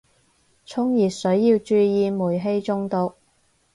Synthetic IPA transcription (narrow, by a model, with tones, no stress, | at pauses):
t͡ʃʰʊ˥ŋjiː˨˩t̚sɵ˨˥ɥjiː˧wt͡ʃyː˧jiː˧muː˨˩jɦe˥jt͡sʊ˥ŋt̪ʊ˨˧k̚